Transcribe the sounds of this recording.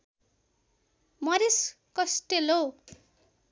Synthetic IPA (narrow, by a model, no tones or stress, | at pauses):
mʌɾis | kʌsʈelo